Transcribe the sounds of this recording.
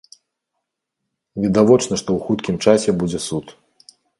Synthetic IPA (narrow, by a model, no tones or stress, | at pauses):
vʲid̪avɔt͡ʂnɐʂt̪ɔwxut̪kʲimt͡ʂasʲɛbud͡zʲɛsut̪